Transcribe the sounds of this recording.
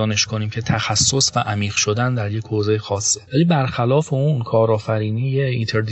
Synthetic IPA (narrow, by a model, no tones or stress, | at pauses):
ɒːne̞ʃkʰo̞niːmcʰe̞t̪ʰæxæsːosvæʔæmiːʁʃo̞d̪ænd̪æɾje̞kʰhozejexɒːsːevæliːbæɾxælɒːfe̞unkʰɒːɾɒːfæɾiːniːjeint̪ʰe̞ɾd̪